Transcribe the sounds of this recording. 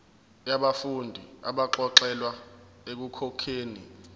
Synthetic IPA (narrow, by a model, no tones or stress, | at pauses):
jaɓafundʱia̰ɓaǁɔǁɛlwa | ek̬ukʰɔkʰeːni